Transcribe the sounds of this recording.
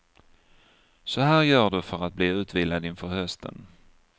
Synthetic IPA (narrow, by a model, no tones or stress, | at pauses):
sɔhæːɾjœːɖɵfœɾat̪̚bliːʉ̟ːt̪viːlad̪ɪnfœɾhœst̪ʰə̰n